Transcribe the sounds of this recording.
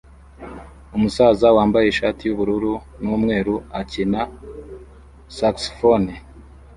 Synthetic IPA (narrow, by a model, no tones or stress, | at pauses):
umusaːzawaːmbajeʃaːtijuβuɾuɾu | nuːmŋe̞ːɾuacina | sakso̥foni